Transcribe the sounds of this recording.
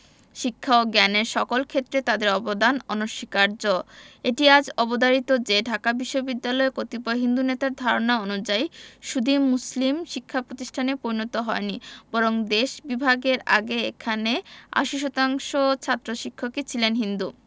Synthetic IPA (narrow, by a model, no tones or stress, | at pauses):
ʃikʰːaoɡɛneɾʃɔkolkʰet̪ːɾet̪ad̪eɾɔbod̪anɔnoʃikaɾd͡ʑoeʈiad͡ʑɔbod̪aɾit̪od͡ʑeɖʱakabiʃːobid̪ːalɔekot̪ipɔɦind̪unet̪aɾd̪ʱaɾonaonud͡ʑaiʃud̪imːuslimʃikʰːapɾot̪iʃʈʰanepoɾinot̪oɦɔenibɔɾoŋd̪eʃbibʱaɡeɾa̰ɡeḛkʰanea̰ʃiʃɔt̪aŋʃot͡ɕʰat̪ːɾoʃikʰːoket͡ɕʰilenɦind̪u